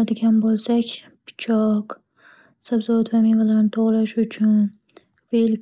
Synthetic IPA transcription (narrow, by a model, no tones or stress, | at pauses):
ad̪ɪɡʲanbolˠsakʲ | pʰɪ̥t͡ʃʰɒq | sabzɒat̪vamivalaɾnɪt̪ʰoʁlaʃʊt͡ʃʰʊn | vel